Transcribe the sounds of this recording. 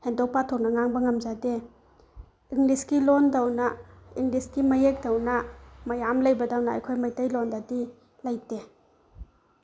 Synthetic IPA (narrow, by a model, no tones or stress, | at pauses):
hendɔk̚patʰɔk̚nɐŋaŋbɐŋɐmzade | iŋliskilondawnɐiŋliskimɐjek̚dawnɐmɐjamlɐjbɐdawna̰ːjkʰojmajtajlondadi | lajte